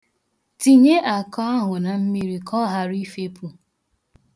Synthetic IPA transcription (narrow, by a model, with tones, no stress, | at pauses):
ti˨ɲe˦ʔa˨kɔ˦a˦ɦʊ˨na˨m̩˦mi˦ɾi˦kʰɔ˦ɦa˨ɾi˦fe˦pu˨